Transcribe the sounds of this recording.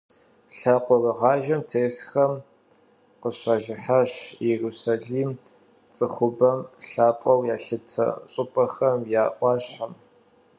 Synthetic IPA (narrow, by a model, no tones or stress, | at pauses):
ɬaːqʷɔrɨʁɑːʒɐmtʰeːɬxɐm | qəɕaːʒɪħaɕjɛruːsaɮiːm | t͡sʼɨxʷʊbɐmɬaːpʼɐwjaːɬɨtʰɐ̰ɕʼʊpʼɐxɐmjaːʔʷɑːɕħam